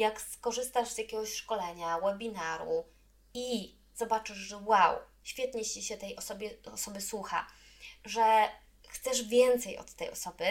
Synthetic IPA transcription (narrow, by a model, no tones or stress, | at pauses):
jakskɔʐɘst̪aʐzjakʲɛɡɔɕʂkɔlɛɲawɛbʲinaɾṵ | i | z̥ɔbat͡ʂɘʐʐɛwaw | ɕfʲjɛt̪ɲɛt͡ɕiɕɛt̪ɛjʔɔsɔbʲjɛɔsɔbɘswuxa̰ | ʐɛ | xt̪sɛʐvʲjɛnt̪sɛjɔ̰t̪ːɛjɔ̰sɔbɘ